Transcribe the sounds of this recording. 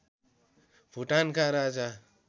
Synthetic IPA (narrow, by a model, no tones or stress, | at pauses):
bʱuʈankʰaɾad͡za